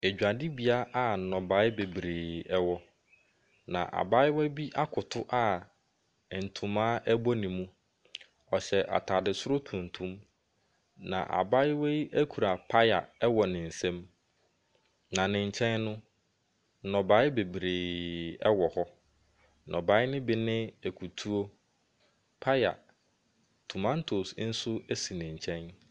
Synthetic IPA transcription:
e˨d͡ʑᶣa˨dɪ˦bi˨a˦ʔa˦n̩˨nɔ̃˨ba˨˦ɪ˦be˨bɾeː˨ɛ˦wɔ˦ | nã̰˨ʔa̰˨ba˦ɪ˦wɛ˦bi˦ʔa˦kʰʊ˨tʰʊ˦ʔa˦˨ | n̩˨tʰũ˨mã˦ʔæ˦bɔ˦nĩ˨mũ˦ | ɔ˨ɕɛ˨ʔa̰˨tʰa˨dɪ˨sʊ˦ɾʊ˦tʰũ˨n̩˨tʰũ˦m | nã̰˨ʔa̰˨ba˦ɪ˦wɛ˦æ˦kʰu˨ɾa˨pʰa˦ja̰˨ɛ˦wɔ˨nɪ̃˨n̩˨sɛ̃˦m | nã˨nɪ̃˨ɲ˨t͡ɕʰɛ̃˦nːʊ̃˦ | nɔ̃˨ba˨˦ɪ˦be˨bɾeː˨ɛ˦wɔ˨hɔ˦ | nʔɔ̃˨ba˨˦ɪ˦nɪ̃˦bi˦˨nɪ̃˦æ˨kʰu˨tʰu˦o˦ | pʰa˦ja̰˨ | tʰʊ˨mã˦n˦tʰo˨sn̩˦sʊ˦e˦si˨nɪ̃˨ɲ˨t͡ɕʰɛ̃˦n

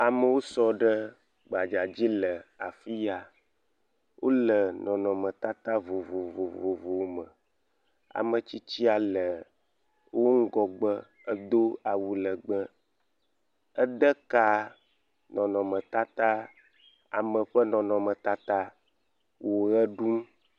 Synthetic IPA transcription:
a˨mə˨wo˦sɔ˦ɖə˦ | ɡ͡ba˨d͡ʒa˨d͡ʑi˦lə˨a˨fi˦ja˨ | wʔo˦lə˨nɔ̃˨nɔ̃˨mə̃˨t̪a˦t̪a˦vo˨vo˨vo˨vo˨vo˨˦mə˨ | a̰˨mə˨t͡ɕi˦t͡ɕi˦a˨lə˨ | wʔo˦ŋ̩˦ɡɔ˨ɡ͡bə˦ | ə˦d̪o˦a˨wu˦lə˨ɡ͡bə˦ | ə˦ɖə˦ka˦ | nɔ̃˨nɔ̃˨mə̃˨t̪a˦t̪a˦ | a̰˨mə̃˨ɸə˦nɔ̃˨nɔ̃˨mə̃˨t̪a˦t̪a˦ | wo˨ɣə˦ɖu˦m

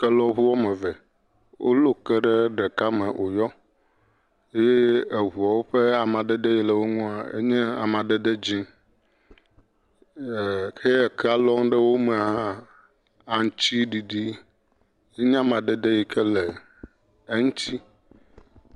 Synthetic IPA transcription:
kɛ˦lɔ˦ɦu˦wɔ˦mɛ̃˨vɛ˨ | wʔo̰˦lo˦kɛ˦ɖe˦ɖɛ˨ka˦mɛ̃˨ʔo˨jɔ˦ | e˦je˦e˨ɦu˨a˨wo˦ɸe˦a˨mã˨ɖɛ˦ɖe˦ji˨lɛ˨wo˦ŋũ˦a˨ḛ˦ɲɛ˦a̰˨mã˨ɖe˦ɖe˦d͡ʑi˦ŋ˨ | kʰe˦˨kʰɛ˦a˨lɔ˦ŋɖe˦wo˦mɛ̃˨a˨ɦã˦ | a˨ŋ˨t͡ɕi˦ɖi˨ɖi˦ | je˦ɲã˦mã˨ɖe˦ɖe˦ji˨kʰɛ˦le˨ | e˦ŋũ˦t͡ɕi˦

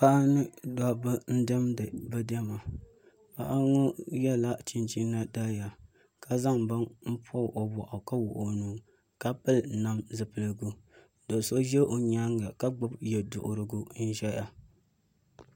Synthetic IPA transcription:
pa˦nɨ˦da˦bɨ˦n̩˦dɛ˦mdɨ˨bɨ˦dɛ˦ma˨ | pa̰˦ʔa˦ŋɔ˦jɛ˦la˦t͡ʃi˦nt͡ʃi˦nːa˦da˦ja˨ | ka˨za˦ŋba˦ŋm̩˦pʰɔ˦˨ʔo˨bɔ˨ʔa˨ka˦wʊ˨ʔo˨nɨ˨ŋ | ka˦pɨ˦lna˨mzɨ˨pɨ˨lɨ˨ɡu˦ | do˨so˦ʒɛ˦o˨ɲaː˦ŋɡa˨ka˦ɡ͡bʊ˦bjɛ˨dʊ̰˨ʔʊ˨ɾɨ˦ɡu˦n̩˦ʒɛ˦ja˨

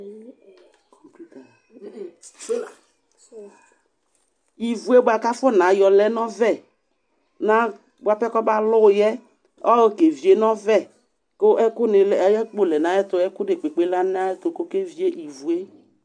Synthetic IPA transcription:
kɔ˨pu˦ta˨˦˨ | i˨vu˨e˦bʊ˦a˨ka˦fʊ˦˨nã˨jɔ˨lɛ˦nɔ̃˦vɛ˦ | nã˨ | bʊ˨a˨pɛ˦kɔ˦ba˦lʊ˦˨jɛ˦ | ɔ˦wke˨vi˨e˦nɔ̃˦vɛ˦˨ | kʊ˦ʔɛ˦kʊ˦nɪ˨˦ɛ˦k͡po˦˨lɛ˨nã˨˦ɛ˦tʊ˨ɛ˦kʊ˦de˨k͡pe˨k͡pe˨˦la˦n˦a˦ɛ˦tʊ˨kʊ˦ke˦vi˨˦e˦ʔi˨vu˨e˦

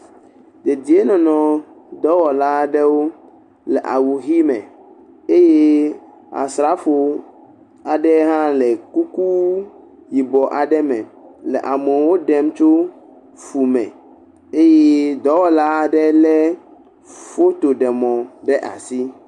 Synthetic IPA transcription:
d̪e˨d̪i˨e˦nɔ̃˨nɔ̃˨ | d̪ɔ˦wɔ˨la˦ɖɛ˦wo˦ | lɛ˨ʔa̰˨wu˨ɦi˦mɛ̰̃˨ | e˦je˦ | a̰˨sɾa˦fo˨ | a˨ɖɛ˦ɦã˦lɛ˨ku˦ku˦ | ji˨bɔ˨ʔa˨ɖɛ˦mɛ̃˨lɛ̰˨ʔa˨mẽ˨wo˦ɖɛ˦mt͡ʃo˦ | fu˨mɛ̰̃˨ | e˦je˦d̪ɔ˦wɔ˨la˦˨ɖɛ˦lɛ˦ | fo˦t̪o˨ɖɛ˨mɔ̃˨ɖɛ˦ʔa̰˨si˦

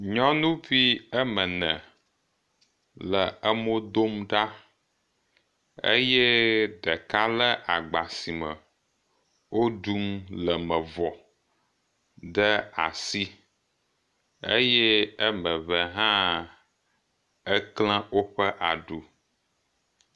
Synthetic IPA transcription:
ɲɔ̃˦nũ˦vi˦ə˦mə̃˨nɛ̃˨ | lə˨ə˦mo˦d̪o˦mɖa˦ | ḛ˦jɛ˦ɖɛ˨ka˦lə˦ʔa˨ɡ͡ba˨si˨mə̰˨ | wo˦ɖu˦mlə˨mə̃˨vɔ˨ | ɖə˦a̰˨si˦ | ḛ˦jɛ˦ə˦mə̃˨βə˨ɦã˦ | ɛ˦klã˦wo˦ɸə˦ʔa˨ɖu˨

